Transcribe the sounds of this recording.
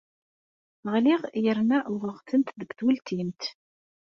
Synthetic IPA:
ʁliʁjəɾnæʔʊʁəʁt͡sːənt̪ðəɡθwəlt̪ʰint̪

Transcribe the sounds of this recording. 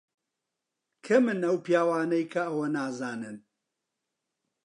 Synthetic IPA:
kʰɐmɨnɐwpjaːwaːnɐjkʰɐɐwɐnaːzaːnɨn

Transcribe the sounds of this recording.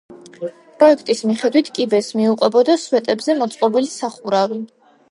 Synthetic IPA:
pʼɾɔɛkʰt̪ʼismiχɛd̪wit̪ʰkʼibɛsmiuqʼwɛbɔd̪aswɛt̪ʼɛbzɛmɔt̪sʼqʼɔbilisaχuɾavi

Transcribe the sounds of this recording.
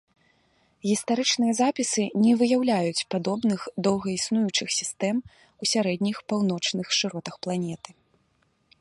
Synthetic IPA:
ɣʲist̪aɾɨt͡ʂnɨjɐzapʲisɨnʲɛvɨjawlʲajut͡sʲpad̪ɔbnɨxd̪ɔwɣɐisnujut͡ʂɨxsʲist̪ɛm | usʲaɾɛd̪ʲnʲixpawnɔt͡ʂnɨxʂɨɾɔt̪ɐxplˠanʲɛt̪ɨ̥

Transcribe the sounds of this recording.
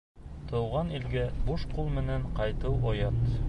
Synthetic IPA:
t̪ɤ̆wʁɑnilɡæbuʃqulˠmɘ̆næɴqɑjt̪ɤwʔojɑt̪

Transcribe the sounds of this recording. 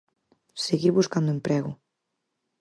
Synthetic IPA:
seɣiɾβuskand̪ʊempɾɛɣʊ

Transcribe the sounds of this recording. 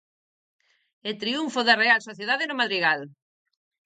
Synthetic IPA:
et̪ɾiuɱfoðarealsoθjeðaðenomaðɾiɣal

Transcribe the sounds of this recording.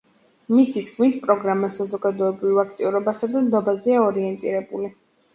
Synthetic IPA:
misit̪kʰmit̪ʰpʼɾɔɡɾamasazɔɡad̪ɔɛbɾivak̚ʰt̪ʼiuɾɔbasad̪amd̪ɔbazɛaɔɾiɛnt̪ʼḭɾɛbuli

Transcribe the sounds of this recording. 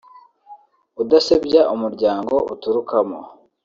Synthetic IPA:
udasebɟaʔumuɾɟaːŋɡo̞ʔutuɾukamo̰

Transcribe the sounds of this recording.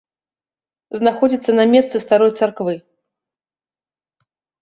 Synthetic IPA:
znaxɔd͡zʲit̪sːɐnɐmʲɛst̪sɨst̪aɾɔjt̪sarkvɨ

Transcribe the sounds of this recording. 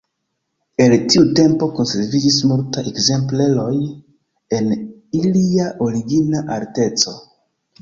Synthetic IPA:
e̞ltiute̞mpo̞ko̞nse̞ɾvid͡ʒismultaekze̞mple̞lo̞j | e̞n | iliaʔo̞ɾiɡinaʔaɾte̞t͡so̞

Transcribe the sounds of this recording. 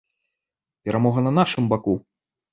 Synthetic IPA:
pʲɛɾʔamɔɣɐnɐnaʂɨmbaku

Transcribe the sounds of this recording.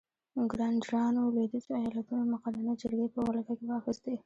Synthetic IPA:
ɪŋɡɾɑnɖɾɑnoled̪ət͡ʃeajɑlat̪unomʊqad̪anad͡ʒaɾɡepəwalak̪akewɑxisd̪e

